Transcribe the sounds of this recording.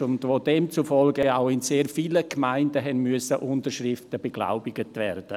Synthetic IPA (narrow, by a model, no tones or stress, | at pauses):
ʊndvoːdɛmt͡sufɔlɡəaʊɪnseːɾfiːləkmaɪndəɦɛnmyəsəʔʊntəɾʃrɪftəb̥əɡ̥la̰ʊbɪɡətvɛrd̥ə